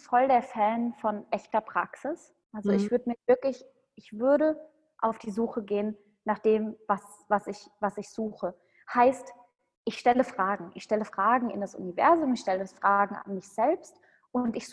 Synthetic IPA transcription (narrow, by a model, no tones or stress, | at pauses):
fɔldeːɐfɛːnfɔnʔɛçtɐpʁ̥aksɪs | ʔalzoɪçv̥ʏɐdəmiːɐvɪɐklɪç | ʔɪçv̥ʏɐɾə | ʔaʊfd̥iːzuːxəɡeːən | naːχd̥eːmvas | vasɪçvasɪçz̥uːxə | haɪst | ʔɪçʃtɛləfʁ̥aːɡŋ̩ʔɪçʃtɛləfʁ̥aːɡŋ̩ɪ̰ndasʔʊ̰nivɛ̰ɐzʊmɪçʃtɛləsfʁ̥aːɡŋ̩a̰nmɪçz̥ɛlpst | ʔʊntɪç